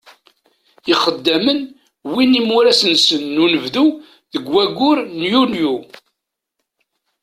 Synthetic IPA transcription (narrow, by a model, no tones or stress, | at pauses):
iχəd̪ːæmən | winimʊɾæsənsənːunəvðu | ðəɡwæɡʊɾnjunju